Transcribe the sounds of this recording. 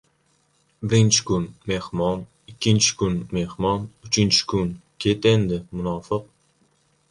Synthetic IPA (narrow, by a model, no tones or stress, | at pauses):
bɪɾɪnt͡ʃʰɪ̥kʊnme̞hmɒn | ɪkʲːɪnt͡ʃʰɪ̥kʊnme̞hmɒnʊt͡ʃʰɪnt͡ʃʰɪ̥kʊnkʲʰet̪end̪ɪmʊnɒfɨq̚